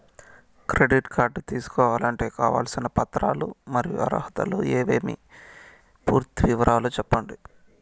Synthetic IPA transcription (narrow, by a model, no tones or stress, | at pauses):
kɾe̞ɖiʈkʰaːɾɖt̪iːsu̥kɔːʋaːlɐɳʈe̞ːkaːʋa̰ːlsinɐpɐt̪ɾaːlṵmɐɾijuɐ̰ɾɐɦɐt̪ɐlṵeːʋeːmḭ | puːɾt̪iʋiʋɐɾaːlut͡ʃɛpːɐɳɖi